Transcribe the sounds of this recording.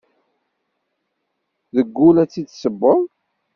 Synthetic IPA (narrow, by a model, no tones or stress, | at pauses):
ðəɡːulæt͡sːid̪səbːəɾˤ